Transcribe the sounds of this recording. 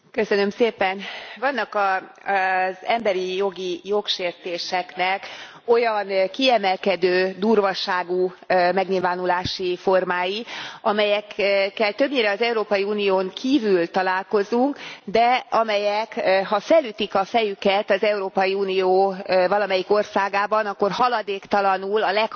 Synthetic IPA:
kø̞sø̞nø̞mseːpɛnvɒnːɒkɒ | zɛmbɛɾijo̞ɡijo̞kʃeːrt̪eːʃɛknɛk | o̞jɒnkiɛmɛlkɛd̪øːd̪uːrvɒʃaːɡumɛɡɲilvaːnulaːʃifo̞rmaːjiɒmɛjɛkkːɛlt̪ø̞bɲeːɾɛɒzɛuɾoːpɒjiuːnijoːŋkʰiːvylt̪ɒlaːlko̞zuŋkd̪ɛɒmɛjɛkɦɒfɛlyt̪ikɒfɛjykɛt̪ɒzɛuɾoːpɒjiuːnijoːvɒlɒmɛjiko̞rsaːɡaːbɒnɒkːo̞rɦɒlɒd̪eːkt̪ɒlɒnulɒlɛk

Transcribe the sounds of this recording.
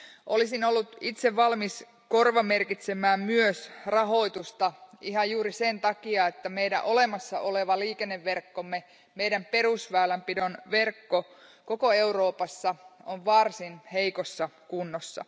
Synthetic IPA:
ʔolisinolːut̪it̪seʋʋɑlmis | ko̞rʋɑme̞rkit̪semæːmmyøsrɑɦo̞it̪ust̪ɑiɦɑjjuːɾisent̪ɑkiɑet̪ːæmejɾæʔolemɑsːɑʔoleʋɑliːkenːeʋːerkːomːe | meidæmpe̞rusʋæːlæmpidonʋe̞rkːokokoe̞uro̞ːpɑsːɑoʋʋɑrsinheikosːɑkunːosːɑ̰

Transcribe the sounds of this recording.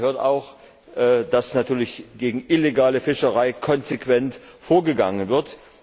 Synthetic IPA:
høːɐta̰ʊx | ʔɛːd̥asnatʰyːɐlɪçɡ̥eːɡŋ̩ʔɪleɡaːləfɪʃəʁaɪkʰɔnzekv̥ɛntfoːɐɡəɡa̰ŋənvɪɐt

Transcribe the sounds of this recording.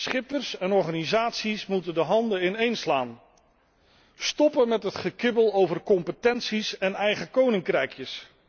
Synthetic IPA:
sχɪpərsɛnɔɹχaːnizaːtsismutəndəɦɑndəɪnejnslaːn | stɔpənmɛtɦətχəkɪbəlˠowvərkɔmpətɛnsisɛnɛjχəkownɪŋkrɛjkjəs

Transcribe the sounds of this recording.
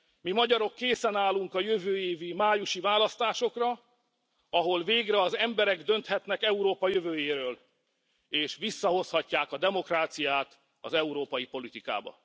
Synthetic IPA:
mimɒɟɒɾo̞kːeːsɛnaːluŋkɒjøvøːjeːvimaːjuʃivaːlɒst̪aːʃo̞krɒ | ɒɦo̞lveːɡrɛɒzɛmbɛɾɛɡd̪ø̞nt̪hɛt̪nɛkɛuɾoːpɒjøvøːjeːɾøːl | eːʃvisːɒɦo̞shɒcːaːkɒd̪ɛmo̞kraːt̪sijaːt̪ | ɒ̰zɛuɾoːpɒjipo̞lit̪ika̰ːbɒ̰

